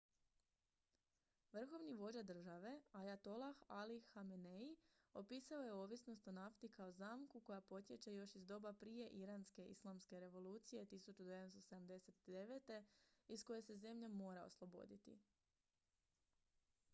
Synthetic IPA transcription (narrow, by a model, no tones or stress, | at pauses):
ʋr̩xo̞ʋniʋo̞d͡ʒad̪r̩ʒaʋe̞ajat̪o̞lˠaxaliːameneio̞piːsao̞je̞oːʋisno̞st̪o̞naft̪ikao̞zaːmkuko̞japo̞t̪ʲje̞t͡ɕajo̞ʃizd̪o̞ːbapɾije̞ʔiɾanske̞ʔḭslˠamske̞ɾe̞ʋo̞lˠuːt̪sije̞t̪isut͡ʃud̪ed̪emst̪o̞se̞d̪amd̪e̞se̞t̪d̪e̞ʋet̪e̞isko̞je̞se̞ze̞mʎemo̞ːɾao̞̰slˠo̞bo̞̰d̪it̪ḭ